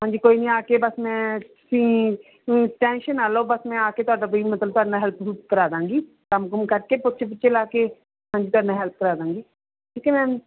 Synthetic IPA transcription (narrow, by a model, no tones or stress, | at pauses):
ɦãːɲd͡ʒiːkoːiːnĩːaːkeːbəsmɛ̃ːt̪ʊ̥sĩː | ʈɛ̃ːnʃənaːloːbəsmɛ̃ːaːkeːt̪ʊaːɖaːpoiːmət̪ləb̚t̪ʊaːɖnãːɦɛlpkəɾaːd̪ãːŋɡiː | kəmkəmkəɾkeːpʊtːʃʰepʊtːʃʰeːlaːkeː | ɦãːd͡ʒiːt̪ʊaːɖnãːɦɛlp̚kəɾaːd̪ãːŋɡiː | ʈʰiːkeːmɛ̃ː